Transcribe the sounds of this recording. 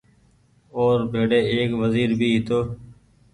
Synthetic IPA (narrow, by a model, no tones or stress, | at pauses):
oːɾbʱeːɽeːeːkʋəziːɾbʱiːɦɪt̪ʰoː